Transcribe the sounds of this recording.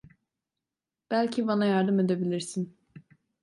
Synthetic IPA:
b̥ælʲcʰibanajaɾd̪ɯme̞d̪ebilʲiɾsin

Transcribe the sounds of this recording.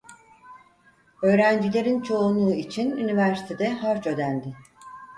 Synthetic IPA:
ø̞ːɾænd͡ʒilʲe̞ɾint͡ʃʰo̞unˠuːit͡ʃʰinynivæɾsi̥t̪ʰed̪ɛɦaɾt͡ʃø̞d̪ænd̪ɪ

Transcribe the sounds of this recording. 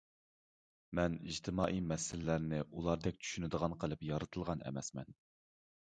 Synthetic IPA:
mɛniʒt̪ʰɪmɑːʔimɛsɪllæɾnɪʔulˠɑɾd̪ɛk̚ʲt͡ʃʰy̥ʃynɪd̪əʁɑnqʰəlˠɨpjɑɾɨt̪ʰɨlˠʁɑnɛ̰mɛsmɛ̰n

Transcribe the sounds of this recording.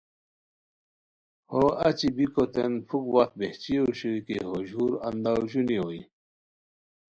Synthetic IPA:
hoɐt͡ɕibikot̪enfʰukwat̪̚beht͡ɕioɕuikeɦoʑuːɾɐnd̪aʑunioi

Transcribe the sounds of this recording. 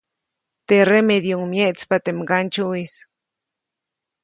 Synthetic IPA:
t̪eremeðjuŋmjeʔt͡spat̪emɡant͡ʃuis

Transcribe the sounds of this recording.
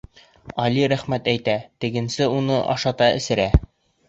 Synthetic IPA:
ɒliɾæχmæt̪æjt̪æt̪ɘ̆ɡɘ̆nsɘunɤʔɒ̰ʃɑt̪ɑɘ̰̆sɘ̆ɾæ

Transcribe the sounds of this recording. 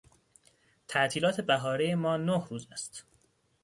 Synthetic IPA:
t̪ʰæʔt̪ʰiːlɒːt̪ʰe̞bæɦɒːɾejemɒːnohɾuːzæst̪

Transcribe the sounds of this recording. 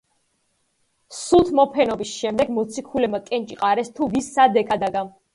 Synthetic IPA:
sut̪ʰmɔpʰɛnɔbisʃɛmd̪ɛɡmɔt̪sʰikʰulɛmakʼɛnt͡ʃʼiqʼaɾɛst̪ʰuvisːad̪ɛkʰad̪aɡa

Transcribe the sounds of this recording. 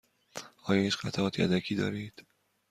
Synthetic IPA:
ʔɒːjɒːhiːt͡ʃxæt̪ʰaʔɒːt̪ʰiːʔæ̰d̪ækʰiːd̪ɒ̰ːɾiːd̪̥

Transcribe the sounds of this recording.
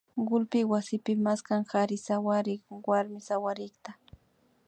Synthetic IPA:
ɢʊlpɪwasɪpɪmaskaŋxaɾɪsawaɾɪkwaɾmɪsawaɾɪkt̪a

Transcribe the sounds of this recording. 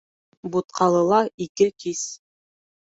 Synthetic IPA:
but̪̚qʰɑlˠɤ̆lˠɑikɘkis

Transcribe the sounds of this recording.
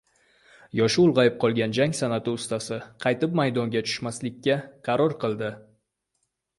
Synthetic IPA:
jɒʃʊʊlˠʁɑjɪp̚qʰɒlˠɡʲand͡ʒaŋʲsanat̪ɪʊst̪asɪqʰɑjt̪ɪp̚majd̪ɒŋɡʲat͡ʃʰʊ̥ʃmaslɪkʲːaqʰɑɾɒɾqʰɨlˠd̪ɪ

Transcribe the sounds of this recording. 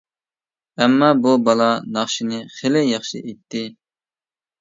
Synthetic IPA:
ɛmːɑbubɑlˠɑnɑχʃinɨχelɪjɑχʃɨ̰ʔejt̪ʰːɪ

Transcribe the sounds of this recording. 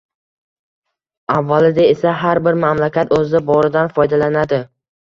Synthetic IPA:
avːalɪd̪aesaɦaɾbɪɾmamlakʲʰat̪ʰɵzɪbɒɾɪd̪anfɒjd̪alanad̪ɪ

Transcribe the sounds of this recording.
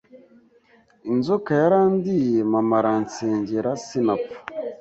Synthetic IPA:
inzokajaɾaːndijemamaɾant͡seːɲɟeɾasinapḁ

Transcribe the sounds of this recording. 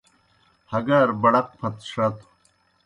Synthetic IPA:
hɐɡɐɾbɐɽɐq̚pʰɐt̪ʂɐt̪ʰ

